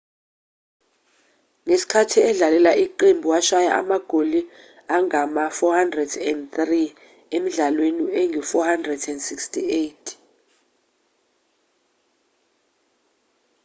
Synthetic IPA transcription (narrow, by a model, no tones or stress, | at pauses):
ŋesi̥kʰatʰiɛɮalɛlaʔiǃembʱuwaʃaja̰ʔa̰maɡ̥ʱoli | aŋamafɔhandrɛdɛndt̪ri | emiɮalweniɛŋʱifɔhandrɛdɛndsikstʰiejtʰ